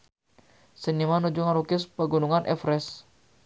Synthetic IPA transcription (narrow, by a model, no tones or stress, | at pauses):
sənimanud͡ʒuŋaɾukɪspəɡunuŋanʔɛ̰fɾɛs